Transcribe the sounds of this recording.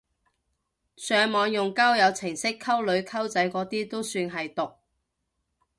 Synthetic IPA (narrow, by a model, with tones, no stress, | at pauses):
sœː˨˧ŋmɔː˨˧ŋjʊ˨ŋkaː˥wjɐ˨˧wt͡sʰɪ˨˩ŋsɪ˥kʰːɐ˥wlɵ˨˧ɥkʰɐ˥wt͡sɐ˨˥jkɔː˨˥t̪iː˥t̪o˥wsyː˧nɦɐ˨jt̪ʊ˨k̚